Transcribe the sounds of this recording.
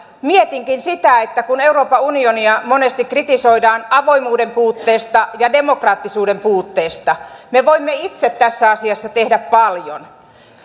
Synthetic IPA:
miet̪iŋkinsit̪æet̪ːækune̞uro̞ːpɑunioniɑmonest̪ikrit̪iso̞idɑːnɑʋo̞imuːdempuːt̪ːeːst̪ɑjɑdemokrɑːt̪ːisuːdempuːt̪ːeːst̪ɑmeʋoimːeit̪set̪tæsːæɑsiɑsːɑt̪ehdæppɑljo̰n

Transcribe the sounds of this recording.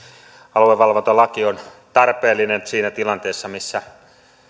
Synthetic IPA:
ɑlueʋɑlʋont̪ɑlɑkiont̪ɑrpeːlːˑinensiːnæt̪ilɑnt̪eːsːɑmisːæ

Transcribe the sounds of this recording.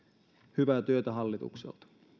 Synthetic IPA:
hyʋæt̪yøt̪æɦɑlːit̪ṵksḛlt̪ɑ̥

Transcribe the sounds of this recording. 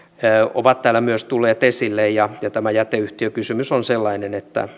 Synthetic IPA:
o̰ʋɑt̪t̪æːlæmyøst̪ulːeːt̪esilːejjɑjɑt̪æmæjæt̪eyht̪iøkysymysonselːɑinenet̪ːæ̰

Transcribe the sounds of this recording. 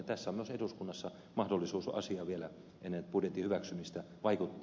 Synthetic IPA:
t̪æsːæomyøseduskunːɑsːɑ | mɑhdolːˑisuːsɑ̰siɑʋielæ | ʔenːent̪purjet̪ːihyʋæksymist̪æ | ʋɑikut̪ː

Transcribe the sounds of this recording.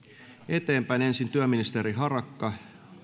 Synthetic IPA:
et̪eːmpæine̞nsint̪yæminist̪eɾiɦɑrɑkːɑ

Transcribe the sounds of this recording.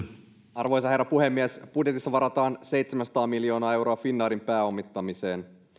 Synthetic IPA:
ɑrʋo̞js̬ɑerːɑpuhe̞mːiesb̥udjet̪isːɑʋɑɾɑt̪ɑːnse̞jt̪semænsɑ̥t̪ɑːmːiljo̞ːnɑːe̞wɾo̞ɑfinːɑːɾimpæːo̞mːit̪ːɑmise̞ːn

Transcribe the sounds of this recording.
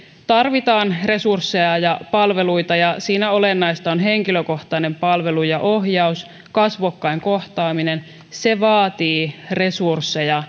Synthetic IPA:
t̪ɑrʋit̪ɑːnre̞sursːe̞jɑjɑpɑlʋe̞lujt̪ɑjɑsiːnæo̞lenːɑjst̪ɑonɦe̞ŋkiløko̞ht̪ɑne̞mpɑlʋe̞lujɑʔo̞ɦjɑus | kɑsʋokːɑeŋko̞ht̪ɑːmine̞n | se̞ʋɑːt̪iːre̞sursːe̞jɑ

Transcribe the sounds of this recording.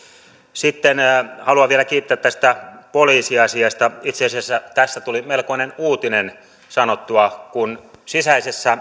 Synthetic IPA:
sit̪ːenhɑluɑʋʋielækiːt̪ːæt̪ːæst̪æpoliːsiɑsiɑst̪ɑit̪seɑsiæsːæt̪æsːæt̪ulimelkoinenuːt̪inen | sɑnot̪ːuɑkunsisæisesːæ

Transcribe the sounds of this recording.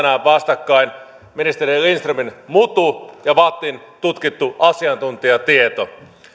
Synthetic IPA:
næːʋʋɑst̪ɑkːɑin | minist̪eɾilinst̪ruminmut̪ujɑʋɑːt̪ːint̪ut̪kit̪ːuʔɑsiɑnt̪unt̪iɑt̪iet̪o

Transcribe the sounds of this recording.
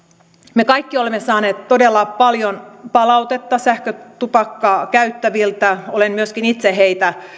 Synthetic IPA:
mekɑjkːiolemːesɑːne̞ːt̪to̞de̞lːɑpɑljonpɑlɑwt̪et̪ːɑsæhkøt̪upɑkːɑːkæyt̪ːæʋilt̪æo̞lenmyøskinit̪seɦejt̪æ

